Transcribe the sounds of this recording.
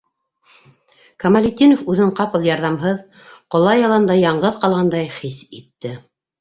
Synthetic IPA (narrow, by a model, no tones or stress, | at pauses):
kɐmalʲɪt̪ʲːinofʉðɘɴqɑpɤ̆lˠjɑɾðɑmɦɤð | qŏlˠɑjɑlˠɑnd̪ɑjɑɴɢɤðqɑlˠʁɑnd̪ɑjχisit̪ːɘ